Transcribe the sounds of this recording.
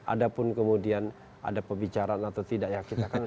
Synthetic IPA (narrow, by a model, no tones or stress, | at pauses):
ʔa̰dapʊnkəmudian | ʔa̰dapəmbit͡ʃaɾaːnat̪awt̪idaʔjakit̪akan